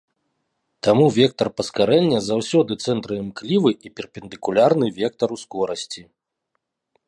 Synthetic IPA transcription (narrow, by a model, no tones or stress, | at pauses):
t̪amuvʲɛk̚t̪ɐrpɐskaɾɛlʲnʲɐzawsʲɔd̪ɨt̪sɛnt̪ɾɨɛmklʲivɨʔipʲɛrpʲɛnd̪ɨkulʲarnɨvʲɛk̚t̪ɐɾuskɔɾɐsʲt͡sʲi